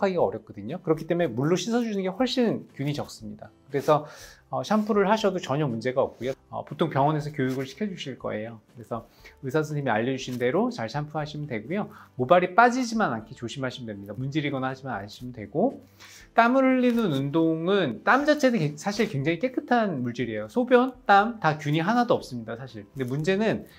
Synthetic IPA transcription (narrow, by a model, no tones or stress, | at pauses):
kʰaɡiɡaʌɾjʌp̚k͈ʌdɯɲokɯɾʌkʰit͈eme̞muɭːoɕʰisʰʌd͡ʑunɯnŋɡe̞hwʌɭɕ͈innkjuɲit͡ɕʌk̚s͈ɯmɲidakɯɾe̞sʰʌʌɕʰampʰuɾɯɭhaɕʰʌdot͡ɕʌɲʌmund͡ʑe̞ɡaʌk̚k͈ujoʌ̰potʰoŋpjʌŋwʌne̞sʰʌkjojuɡɯɭɕʰi̥kʰjʌd͡ʑuɕʰiɭk͈ʌ̰e̞jokɯɾe̞sʰʌ | ɯsʰas̬ʰɯnʰimiaʎːʌd͡ʑuɕʰinde̞ɾot͡ɕaɭɕʰampʰuɦaɕʰimɯndwe̞ɡojomobaɾip͈ad͡ʑid͡ʑimanankʰet͡ɕoɕʰimaɭɕʰimɯndwemɲidamund͡ʑiɾiɡʌnaɦaɕimana̰nɕʰimɯndwe̞ɡ̥o | t͈amɯɾɯʎːinɯnundoŋɯnt͈amd͡ʑat͡ɕʰe̞nɯsʰaɕʰiɭkwe̞ŋd͡ʑaŋik͈e̞k͈ɯtʰanmuɭt͡ɕiɾie̞josʰobjʌnt͈amtakjuɲiɦanadoʌp̚s͈ɯmɲidasʰaɕʰiɭkɯnde̞mund͡ʑe̞nɯn